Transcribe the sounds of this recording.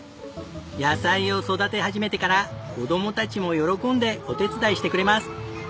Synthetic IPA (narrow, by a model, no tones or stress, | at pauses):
jasaio̞so̞d̪at̪e̞ɦaʑime̞t̪e̞kaɾako̞d̪o̞mo̞t̪at͡ɕimo̞jo̞ɾo̞kõ̞nd̪e̞o̞t̪e̞t͡sɨd̪aiɕi̥t̪e̞kɯ̟ɾe̞masɨ̥